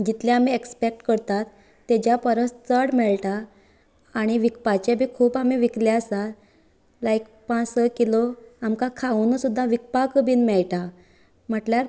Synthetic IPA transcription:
d͡ʑit̪ljãamiekspek̚ʈkəɾt̪at̪ː | ed͡ʑjapəɾəst͡səɽmɛɭʈaː | ɽ̃iʋik̚pat͡ɕabʱiːkʰuːpamiʋikljaəsa | laik | pãt͡səkiloamkakʰaunəsud̪ʱːãʋik̚pakəbʱiːnmɛɭʈa | m̤əʈljaɾ

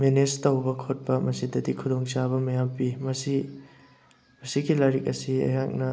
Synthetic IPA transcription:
menestɐwbɐkʰot̚pɐmɐsidɐdikʰudoŋt͡ʃabɐmɐjampimɐsi | mɐsiɡilɐɾik̚ɐsiɐ̰jɦak̚nɐ

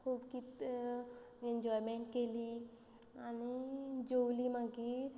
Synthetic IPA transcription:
kʰuːbkit̪ | ẽɲd͡ʒɔjmẽɳʈkeli | añid͡ʑowlimaɡiɾ

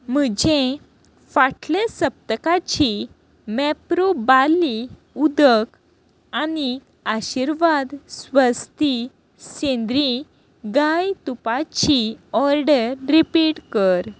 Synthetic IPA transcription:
m̤əd͡ʑʱe | faʈʰlesəp̚t̪əkat͡ɕi | mɛpɾobali | ud̪ək | ani | aɕiɾʋad̪sʋəst̪i | sẽnd̪ɾi | ɡajt̪upat͡ɕiɔɾɖəɾːipiʈkəɾ

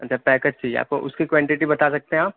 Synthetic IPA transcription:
ɐtːt͡ʃʰapɛːkəd͡ʒt͡ʃʰijea̰ːp̚ko̰ʔʊ̰skikwɛ̃ːɳʈɪʈibɐt̪asɐk̚t̪eɦaːp̚

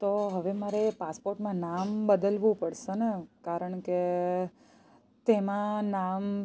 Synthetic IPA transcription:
t̪oɦəʋemaɾepaspoɾʈmãnambəd̪əlʋũpəɽʃenekaɾəɳke | t̪emãnam

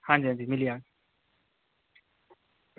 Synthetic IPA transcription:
hãːd͡ʑiːɦãd͡ʑimɪlija

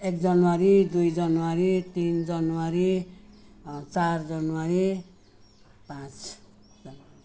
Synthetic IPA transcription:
ek̚d͡zʌnwaɾid̪ujd͡zʌnwaɾit̪ind͡zʌnwaɾi | t͡sard͡zʌnwaɾi | pãt͡s | d͡zʌna

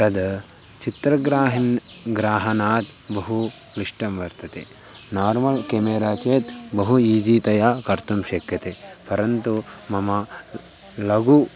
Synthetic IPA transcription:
t̪ɐd̪ | t͡ʃit̪ɾɐɡɾaːɦin | ɡɾaːɦɐnaːt̪bɐɦu | kɾiʂʈɐmʋɐɾt̪ɐt̪e | naːɾmɐlkeːmeːɾaːt͡ʃeːt̪bɐɦuiːd͡ʒiːt̪ɐjaːkɐɾt̪umʃɐkjɐt̪epɐɾɐnt̪umɐmɐ | lɐɡu

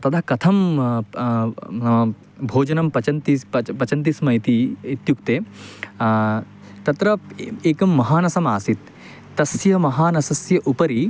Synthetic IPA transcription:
t̪ɐt̪ʰɐkɐt̪ʰɐm | nɐmɐ | bʱoːd͡ʒɐnɐmpɐt͡ʃɐnt̪iɐpɐt͡ʃɐnt̪̬ismɐit̪iit̪jukt̪eː | t̪ɐt̪ɾɐeːkɐmːɐɦaːnɐsɐmaːsit̪ː | ɐsjɐmɐɦaːnɐsɐsjɐʔupɐɾi

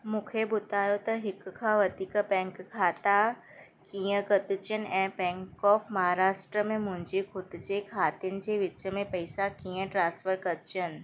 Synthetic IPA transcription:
mũːkʰebʊd̪ʱaːjot̪ɐɦɪkkʰãːʋɐd̪ʱiːkpɛ̃ːŋkkʰːaːt̪a | kiːə̃kɐt̪ɪt͡ɕənɪ̆ʔɛ̃ːpɛ̃ːŋkɔːfmɐɦaːɾaːʃʈɾəmẽmʊ̃ɦɪ̃ɲd͡ʑixʰʊd̪d͡ʑekʰaːt̪iʊnɪ̆d͡ʑeːʋɪt͡ɕəmẽpɐɪsakĩːə̃ʈɾãːsfəɾkɐd̪ʊt͡ɕənɪ̆

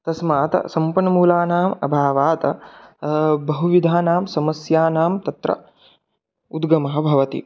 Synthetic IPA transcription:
t̪ɐsmaːt̪ɐ̰sɐmpɐnɐmuːlaːnaːmɐbʱaːʋaːt̪ɐ | bɐɦuʋid̪ʱaːnaːmsɐmɐsjaːnaːmt̪ɐt̪ɾɐ̰ | ud̪ɡɐmɐɦɐ̆bʱɐʋɐt̪ḭ

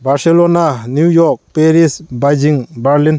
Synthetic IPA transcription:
baɾselonanjujɔk̚peɾisbajd͡ʒiŋbaɾlin

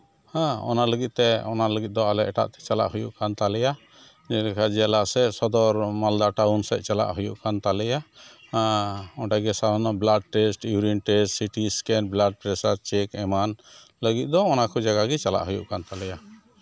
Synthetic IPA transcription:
hãɔ̰naləɡit̪̚t̪ɛɔnaləɡit̪̚d̪ɔalɛʔɛʈa̰ʔt̪ɛ̥t͡ʃala̰ʔhujuʔkant̪alɛja | d͡ʒɛlɛkʰad͡ʒɛalaʔsɛsɔd̪ɔɾmald̪aʈawnsɛ̰ʔ̪̚t͡ʃala̰ʔɦujuʔkant̪alɛja | ɔʈaɡɛsad̪anɔblaɖ̚ʈɛsʈjuɾinʈɛsʈsiʈiskɛnblaɖ̚pɾɛsaɾt͡ʃɛkɛman | ləɡit̪̚ˀd̪ɔːnakɔd͡ʒaɡaɡɛt͡ʃala̰ʔɦujṵʔkant̪alɛja

